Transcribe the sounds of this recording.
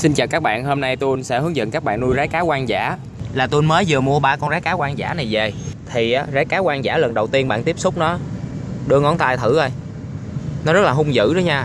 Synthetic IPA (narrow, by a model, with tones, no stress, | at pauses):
si˧nt͡ɕa̰ː˨˩kaː˦˥k̚ɓa̰ː˧˨nhoː˧mna˧jt̪u˧jnsɛ̰˧˥hɨ˨˦əŋzə̰˧˨nkaː˦˥k̚ɓa̰ː˧˨nnu˧jzaː˨˦jkaː˨˦kwaː˧nza̰ː˧˩ | laː˨˩t̪u˧nməː˨˦jzɨ˨˩mu˧əɓaː˧kɔ˧nzaː˨˦jkaː˨˦kwaː˧nza̰ː˧˥na˨˩jve˨˩t̪ʰi˨˩ʔaː˨˦zaː˨˦jkaː˨˦kwaː˧nza̰ː˧˩˥lə˨˩nɗə˨˩wt̪i˧ənɓa̰ː˧˨nt̪i˦˥əp̚sʊ˦˥k͡p̚nɔ˨˦ɗɨ˧əŋɔ˨˦nt̪aː˧jt̪ʰɨ˧˩ʔə˧j | nɔ˨˦zə˦˥t̚laː˨˩ɦʊ˧wŋ͡mzɨ̰˧˨ɗɨ˨˦ɲaː˧